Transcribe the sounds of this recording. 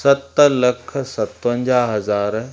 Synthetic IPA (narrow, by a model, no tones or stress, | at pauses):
sɐt̪lɐkʰsɐt̪ʋə̃ɲd͡ʑaːɦɐzaːɾ